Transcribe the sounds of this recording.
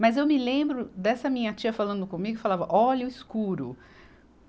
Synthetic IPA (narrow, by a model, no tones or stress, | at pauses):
mɐzewmɪlẽmbɾʊd̪ɛsɐmĩɲɐt͡ʃiɐfalɐ̃nd̪ʊkõmiɡʊefalavɐʔɔʎʊiskuɾʊ̰